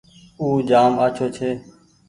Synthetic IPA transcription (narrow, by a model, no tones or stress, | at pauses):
uːd͡ʒaːmaːt͡ʃʰoːt͡ʃʰeː